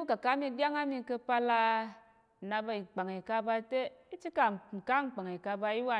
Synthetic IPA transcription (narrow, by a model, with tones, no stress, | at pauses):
u˦ka˨ka˦mi˧dʲa˦ŋa˦mi˧kə˧pa˧la˧˨ | na˧ba˧i˨k͡pa˨ŋi˨ka˧ba˧te˦i˦t͡ʃi˦ka˨ŋ͡m̩˨ka˦ŋ˨k͡pa˨ŋi˨ka˧ba˧i˦wa˧